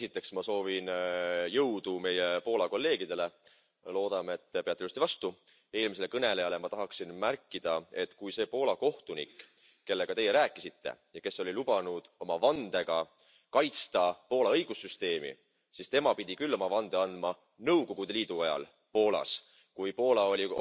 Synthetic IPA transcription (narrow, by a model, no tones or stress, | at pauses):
esit̪ːˑe̞ksmɑso̞ːvinjɤwd̪̥ume̞jepo̞ːlɑko̞lːe̞ːɡ̥id̪e̞le̞ | lo̞ːd̪̥ɑmeet̪ːpe̞ɑt̪ːust̪ivɑst̪u | e̞ːlmis̬e̞lkɤne̞le̞jɑle̞mɑt̪ɑɦɑksinmærkːˑid̪̥ɑe̞t̪ːkujse̞ːpo̞ːlɑko̞ht̪unḭkː | e̞lːe̞ɡ̥ɑt̪e̞je̞ɾæːkːˑisit̪ːe̞̰jɑke̞sːo̞lʲilub̥ɑnud̪̥o̞mɑvɑnd̪̥e̞ɡ̥ɑ | kɑjt̪st̪ɑpo̞ːlɑɤjɡ̥usːyst̪e̞ːmḭ | sist̪e̞mɑpid̪̥ʲikylːo̞mɑvɑnd̪eɑnd̪̥mɑ | nɤwko̞ɡ̥ud̪eliːd̪̥uɑjɑ̰l | po̞ːlɑ̰s | kujpo̞ːlɑo̞lʲi